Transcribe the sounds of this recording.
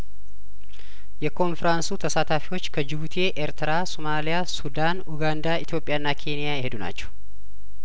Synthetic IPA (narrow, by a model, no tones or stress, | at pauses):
jɛkonfɛɾansuːt̪ʰɐsaːt̪aːfɪwot͡ʃːkʰɐd͡ʒɪbʊt̪ʰe̞ːʔeɾt̪ɪɾaːsɔmaːlɪjaːsʊd̪aːnʊɡaːnd̪aːɪt̪ɪjo̞pʼːɪjaːnːaːkʰe̞ːnɪjaːhɛd̪ʊna̰ːt͡ʃːʊ̥